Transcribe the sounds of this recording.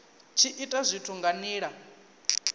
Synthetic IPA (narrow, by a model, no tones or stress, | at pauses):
t͡ʃʰiʔitʼazʷitʰuŋɡaniːɺa